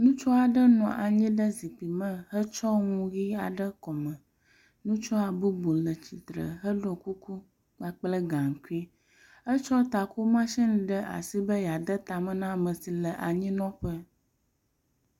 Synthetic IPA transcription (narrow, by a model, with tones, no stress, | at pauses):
nũ˦t͡ʃɔ˦a˨ɖə˦nɔ̃˨ʔa̰˨ɲɛ̃˦ɖə˦zi˨pi˨mə̃˦ɦə˦t͡ʃɔ˦ŋũ˦ɣi˦a˨ɖə˦kɔ˨mɛ̃˨ | nũ˦t͡ʃɔ˦a˨bu˦bo˨lə˨t͡ɕi˨t̪ɾə̰˨ɦə˦ɖɔ˨ku˦ku˦ | ɡ͡ba˨k͡plə˦ɡã˨ŋ˨ku˦i˦ | ə˦t͡ʃɔ˦t̪a˨ku˦mã˦ʃĩ˦n˨˦ɖə˦ʔa̰˨si˦bə˦ja˨d̪ə˦t̪a˨mə̃˦nã˦mə̃˨si˨lə˨ʔa˨ɲĩ˦nɔ̃˦ɸə˦